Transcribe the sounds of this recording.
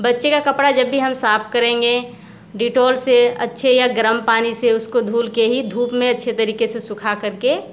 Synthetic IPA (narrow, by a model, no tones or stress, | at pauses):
bɐtːʃekakəpɽad͡ʒəbːiɦɐmsaːp̚ʰkəɾẽːŋɡe | ɖiʈoːlseɐ̰tːʃʰejaɡɾəmpaːniseʊskod̪ʱuːlkeɦid̪ʱuːpmẽɐtːʃʰet̪əɾiːkesesʊkʰakɐɾke